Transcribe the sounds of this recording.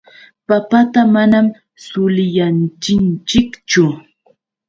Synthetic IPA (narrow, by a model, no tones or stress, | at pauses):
papat̪amanam | sʊlɪjant͡ʃɪnt͡ʃɪkt͡ʃʊ